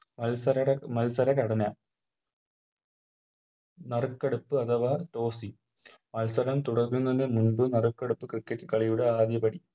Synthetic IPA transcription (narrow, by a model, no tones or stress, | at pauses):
mɐlsɐɾɐɐmɐlsɐɾɐkɐɽɐnɐ | nɐrkːeɽupːɨɐt̪ʰɐʋɐto̞ːsi | mɐlsɐɾɐmt̪uɽɐrkːunːɐðɨmunbɨnɐrukːeɽupːɨkrɨkːɐtːɨkɐɭijuɽeaːd̪jɐbɐɽi